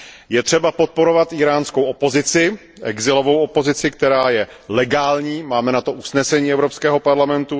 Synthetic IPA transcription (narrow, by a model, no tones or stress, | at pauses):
jɛt̪r̝̥ɛbapo̞t̪̚po̞ɾo̞vat̪ʔiːɾaːnskowʔopo̞zɪt͡sɪ | ʔɛɡzɪlo̞vo̞wopo̞zɪt͡sɪk̚t̪ɛɾaːjɛ | lɛɡaːlɲiːmaːmɛnat̪o̞ʔusnɛsɛɲiːɛvɾo̞pskɛːɦo̞paɾlamɛnt̪u